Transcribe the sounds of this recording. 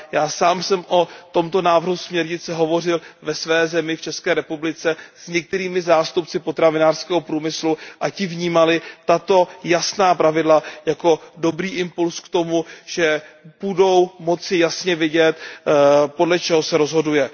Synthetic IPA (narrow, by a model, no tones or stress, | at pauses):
jaːsaːmsɛmʔot̪o̞mt̪o̞naːvr̩ɦusmɲɛɾɲɪt͡sɛɦo̞vo̞r̝ɪlvɛsvɛːzɛmɪft͡ʃɛskɛːɾɛpublɪt͡sɛz̥ɲɛk̚t̪ɛɾiːmɪzaːst̪upt͡sɪpo̞t̪ɾavɪnaːr̥skɛːɦo̞pɾuːmɪsluʔacɪvɲiːmalɪt̪at̪o̞jasnaːpɾavɪdlajako̞do̞bɾiːʔɪmpulskt̪o̞muʒ̥ɛb̥udo̞wmo̞t͡sɪjasɲɛvɪɟɛt̪ | po̞dlɛt͡ʃɛɦo̞sɛɾo̞zɦo̞dujɛ